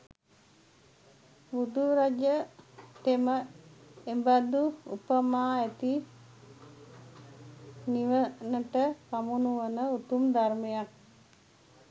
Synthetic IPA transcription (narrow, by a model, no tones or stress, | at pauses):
bud̪uɾad͡ʒət̪emə | embad̪uṵpəmaːæt̪i | niʋənəʈəpamunuʋənəut̪umd̪armejak̚